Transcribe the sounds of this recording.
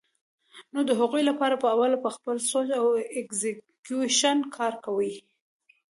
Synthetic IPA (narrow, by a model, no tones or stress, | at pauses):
nod̪əɦaɣujlapɑɾapəawalapəxpəlsod͡ʒawekzɪ | kjuʃankʰɑɾkawəj